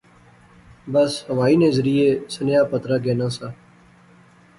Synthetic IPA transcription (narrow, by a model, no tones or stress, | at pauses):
bəshəʋaːiːnẽːzəɾiːeːsənjaːpət̪ɾaːɡeːnãːsaː